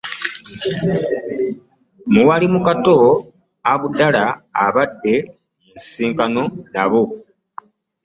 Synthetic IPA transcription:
muwalimukato | aβudalaːβadːe̞ | nsiːŋkanonaβo

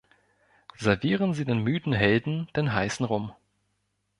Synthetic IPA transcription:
z̥ɛɐviːʁənziːdeːnmyːdn̩ɦɛldn̩d̥eːnɦaɪsn̩ʁʊm

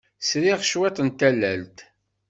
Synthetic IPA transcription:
sɾiʁʃwæt̪ˤənt̪ælːælt̪

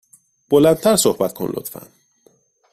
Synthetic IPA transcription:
b̥olænt̪ʰæɾsohbæt̪̚kʰo̰nlo̰t̪fæ̰n

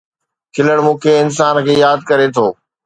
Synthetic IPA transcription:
kʰɪləɽ̃mũːkʰeɪns̬aːnkʰeːjaːd̪̚kɐɾet̪ʰoː

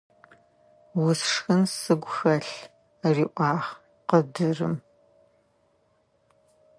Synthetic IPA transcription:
wʊsʂxɨnsɨɡʷxɐɬ | riːʔʷɑːʁ | qədɨrɨ̰m

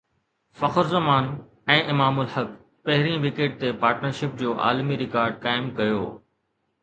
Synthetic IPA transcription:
fɐxəɾzɐmaːn | ɛ̃ːʔɪmaːmʊlhɐk | pɐɦɪɾĩʋikeːʈ̚t̪epaːɾʈnəɾʃɪp̚d͡ʑoːʔa̰ːlmiɾɪkaːɾɖ̚kaːɪmkɐjo̰ː

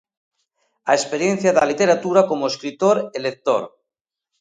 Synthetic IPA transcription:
a̰espeɾjen̟θjaðalit̪eɾat̪uɾakomoeskɾit̪oɾelek̚t̪o̰ɾ

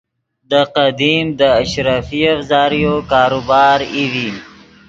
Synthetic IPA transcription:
d̪əqad̪imd̪əaʃɾafiafzɑːɾijokɑːɾobɑːɾiwi

